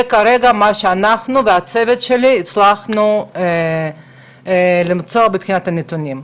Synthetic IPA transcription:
ekaɾeɡamaʃeanaχnuveat͡sevet̪ʃeliːt͡slaχnu | limt͡soɐbepxʲinat̪anet̪unʲim

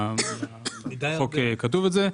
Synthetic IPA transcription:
id̪ajokekat̪uvetze

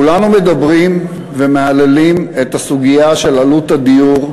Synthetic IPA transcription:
kulanume̞d̪abʁim | vemealelimet̪asuɡijaʃe̞lalut̪ad̪ijuʁ

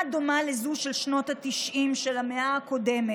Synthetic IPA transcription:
d̪o̞malezuʃelʃno̞tatiʃʔimʃelameaːko̞deme

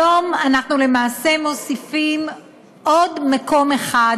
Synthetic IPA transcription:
o̞manaχnule̞maːse̞mo̞sifim | ʔo̞dmako̞meχa

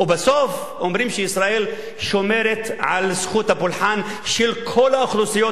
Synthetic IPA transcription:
ʔubɪsof | ʔomɾiːmʃeisɾaʔel | ʃomeɾet̪ʕa̰lsxuːt̪habʊlħaːn | ʃelkʰolaʊxlusijo

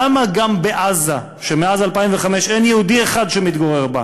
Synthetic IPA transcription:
amaɡambeʔaza | ʃemeazalpaimveχame̞ʃenjehud̪ieχad̪ʃemit̪ɡoʁe̞ʁba̰

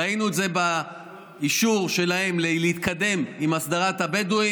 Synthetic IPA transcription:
ainuedze̞ba | iʃuʁʃe̞lahe̞mleleit̪kad̪e̞mimasd̪aʁat̪habed̪ui

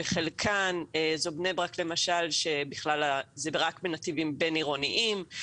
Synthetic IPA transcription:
eχelkʰanezobnebʁakle̞maʃalʃebiχlalazebʁakbenat̪ivimbeniʁoniʔim

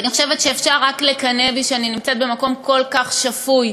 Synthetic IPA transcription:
aniχo̞ʃevet̪ʃeːfʃaʁːaklekaneviʃeaninimt͡set̪̚be̞mako̞mko̞lkaχʃafuj

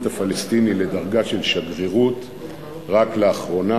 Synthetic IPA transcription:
t̪afalest̪inile̞daʁɡaʃe̞lʃaɡʁiʁut | ʁakleaχʁo̞na

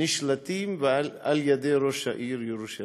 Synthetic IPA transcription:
iʃlɐt̪iːmʋalɐljɐd̪eɾoʃɐʔiːɾjuɾuʃɐ

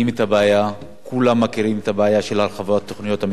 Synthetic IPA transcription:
imetabeaja | kulamːakiʁimet̪abeajaʃe̞lhalχavotat̪ːoχnijo̞tham

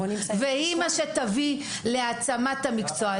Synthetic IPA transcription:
veimaʃet̪avi | le̞at͡samat̪amikt͡soa

